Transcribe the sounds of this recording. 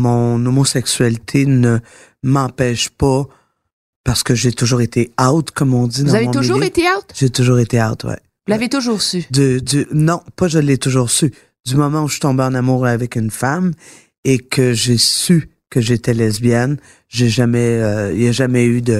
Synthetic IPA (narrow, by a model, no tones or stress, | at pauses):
mɔ̃nomosɛksɥalit̪ʰenə | mɑ̃pɛːʃpa | paʁsə̥kəʒet̪uʒuːʁet̪ʰeaʊt̪kɔmɔ̃d̪id̪ɑaemɔ̃uʒuʁet̪eat̪ʒ̥et̪uʒuːʁet̪eaʊt̪wɛ̰ | vulavet̪uʒuːʁsyd̪əd̪ynɔ̃paʒəlːet̪uʒuːʁsy | d̪ymɔmɑ̃uʃi̥t̪ɔ̃beɑ̃namuːʁavɛkynfam | ekʰəʒesy | kəʒet̪ɛlɛzbjɛn | ʒeʒamɛøijaʒamɛyd̪ə